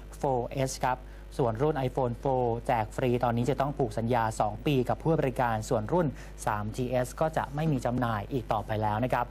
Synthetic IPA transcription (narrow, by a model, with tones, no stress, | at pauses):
foː˧ʔe˦˥skʰɾa˦˥p̚ | su˨˩ənɾu˥˩nʔa˧jfoː˧nfoː˧t͡ɕɛː˨˩k̚fɾiː˧t̪ɔː˧nːiː˦˥t͡ɕa˨˩t̪ɔ˥˩ŋpʰuː˨˩k̚sa˩˦njaː˧sɔː˩˦ŋpiː˧ka˨˩pʰːuː˥˩ba˧ɾi˦˥kaː˧nsu˨˩ənɾu˥˩n | saː˩˦mt͡ɕiː˧ʔe˦˥skɔː˥˩t͡ɕa̰˨˩ʔma˥˩jmiː˧t͡ɕa˧mnaː˧jʔiː˨˩k̚t̪ɔː˨˩pa˧jlɛː˦˥wna˦˥kʰa˦˥p̚